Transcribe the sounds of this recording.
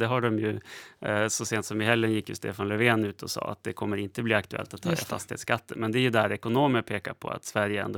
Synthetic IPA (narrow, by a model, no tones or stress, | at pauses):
d̪ɛɦaɖɔmjɵ | sɔseːnt̪sɔmvɪɦɛlːənjɪkːjɵ̰st̪ḛːfanlɛveːnʉ̟ːt̪ʰɔsɑ̰ːa̰t̪̚d̪ɛkʰɔmːəɾɪnt̪əbliːakt̪ɵɛ̰lt̪at̪ʰːɑːd̪ɛ̰fa̰st̪ɪhḛːt̪skat̪ːəmɛnd̪ɛjɵd̪æɾɛkʊnoːməpʰeːkaɾpʰɔ̰a̰t̪svæɾjəɛ̰nd̪o